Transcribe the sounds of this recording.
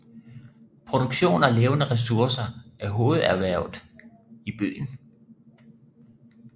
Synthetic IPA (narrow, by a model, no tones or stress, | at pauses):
pʰʁo̝d̥oɡ̥ɕo̝̰ːnɒleːʊnəʁɛs̬uɐsɐʔæɐɦo̝ːð̩ˠæɐʋæɐ̰ʊð̩ˠ | ib̥y̰ːn